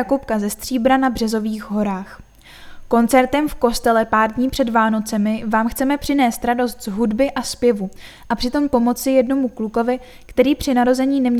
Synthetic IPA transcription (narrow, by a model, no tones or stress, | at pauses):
akopkazɛst̪r̝̥iːbɾanabr̥ɛzo̞viːxɦo̞ɾaːx | ko̞nt͡sɛɾt̪ɛmfko̞st̪ɛlɛpaːɾdɲiːpr̥ɛdvaːno̞t͡sɛmɪvaːmxt͡sɛmɛpr̝̥ɪnɛːst̪ɾado̞st̪zɦudbɪʔaspjɛvu | ʔapr̥ɪt̪o̞mpo̞mo̞t͡sɪjɛdno̞mukluko̞vɪ | kt̪ɛɾiːpr̝̥ɪnaɾo̞zɛɲiːnɛmɲ